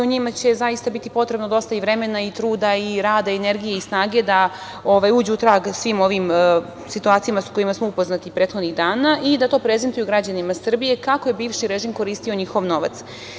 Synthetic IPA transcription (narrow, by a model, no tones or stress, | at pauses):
oɲimat͡ɕe̞zajist̪abit̪ipo̞t̪ɾe̞bnod̪o̞st̪aiʋɾe̞me̞nait̪ɾuːd̪aiɾaːd̪aeneɾɡijeisnaːɡe̞d̪a | o̞ʋajuːd͡ʑeut̪ɾaːɡsʋiːmo̞ʋim | sit̪uaːt̪sijamasako̞jimasmoupo̞znat̪ipɾeːt̪xod̪niɣd̪aːnaʔid̪at̪o̞ːpɾe̞zent̪ujuɡɾad͡ʑanimasr̩bije̞kakojebiːʋʃiɾeʒiːmko̞ɾiːst̪io̞ɲixo̞ʋno̞ʋa̰t̪s